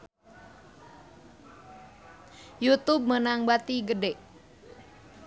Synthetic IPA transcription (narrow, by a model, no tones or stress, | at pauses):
jut̪ub̚mənaŋbat̪iɡədeʔ